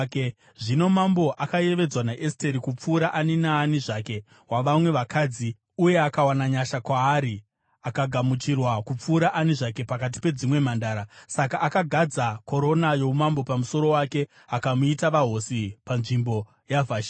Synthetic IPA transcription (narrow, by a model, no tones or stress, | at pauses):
ʐino̞mambo̞ʔakaje̞ʋe̞d͡zwanaʔeste̞ɾikup͡fuːɾaʔaninaːniʐaːke̞ | waʋamwe̞ʋakʰaːd͡zi | uje̞akawanaɲaʃakwaːɾi | akaɡʱamut͡ʃirwakup͡fuːɾaʔaniʐake̞pakat̬i̥pe̞d͡zimwe̞m̤andaːɾasakaʔːkaɡʱad͡zako̞ɾo̞najo̞umambo̞pamusoɾo̞wake̞ | akamuitaʋaɦo̞sipanʐimbo̞ | javaʃ